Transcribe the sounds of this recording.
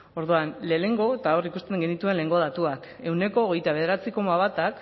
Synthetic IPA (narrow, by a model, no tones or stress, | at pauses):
o̞ɾðuanle̞ːne̞ŋɡo̞et̪ao̞rikust̪e̞ŋɡe̞nit̪ue̞nle̞ŋɡo̞ð̞at̪uak | e̞wne̞ko̞ːɣ̞e̞jt̪aβe̞ð̞e̞ɾat͡siko̞maβat̪ak